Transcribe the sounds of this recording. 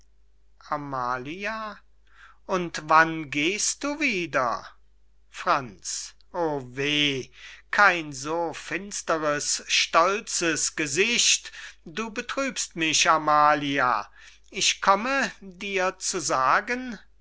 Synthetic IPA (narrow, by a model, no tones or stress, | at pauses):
ʔamaːlia | ʔʊntvanɡeːst̚d̥uːviːdɐ̰ | fʁ̥ant͡s | ʔoːveːkʰaɪnzoːfɪnstəʁəsʃtɔlt͡səsɡ̥əzɪʃtd̥uːbətʁ̥yːpstmɪʃamaːlia̰ | ɪʃkʰɔmədiːɐt͡suzaːɡən